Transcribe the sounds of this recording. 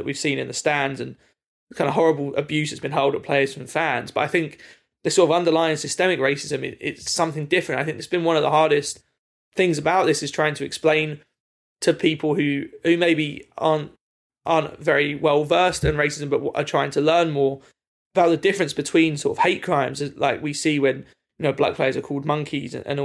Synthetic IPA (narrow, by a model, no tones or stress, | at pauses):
əʔwiv̥sĩnɨ̃nðəstæ̃nzɨ̃n | kʰãɪ̃ndəɦɔɹəbəlˠə̰bjʉˑzɨtsb̥ɨ̃nɦɛʊlˠdəpʰl̥eɪəz̥fɹə̃ɱfæ̃nz̥b̥ʌɾaɪθɪ̃ŋk | ðəsɔˑɹɾəvʌ̃ndəlaɪɨ̃ŋsɪstɛmɪkɹeɪsɪzɨ̃mɪ̰̃ʔɪ̰tsʌ̃mθɪ̃ŋdɪfɹə̃ɨ̃ntaɪθɪ̃ŋk̚ðɪsb̥ɨ̃nwʌ̃nʌvðə̰ɦɑɹɾɪst | θɪ̃ŋzəbaʊʔ̚ðɪsɨz̥tʰɹ̥aɪɪ̃ŋtʰəɨksplẽɪ̃n | tʰəpʰiˑpʰəlˠhʉhʉmeɪbiɑɹnt | ʔɑːˑntvɛɹiwɛlˠvɜˑ˞stə̃nɹeɪsɪzə̃mbʌʔwʔə̰tʰɹ̥aɪɪ̃ŋtʰəlɜ̃˞nmɔːɹ | əb̥aʊʔ̪̚ðədɪfɹɨ̃nsb̥ɨtʰw̥ĩnsɔ̰ɹtəv̥heɪʔ̚kʰɹ̥ãɪ̃mzəzla̰ɪkwisiwə̃n | jɨnoʊblʌ̰k̚pʰl̥eɪəzəkʰɔːlˠd̚mʌ̃ŋkʰiz̰̃nʔə̰̃n